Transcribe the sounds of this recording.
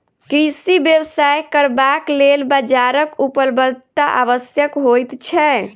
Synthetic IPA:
kɾisibjəwsajkəɾbaklelbad͡ʒaɾəkupəlbəlt̪aʔa̰ʋəsjəkɦojt̪t͡ʃʰɛ

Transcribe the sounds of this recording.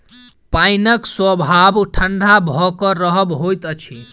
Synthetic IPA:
painəkswəbʱabʈʰəɳɖʱabʱɔkɔɾəɦəbɦojt̪ət͡ʃʰi

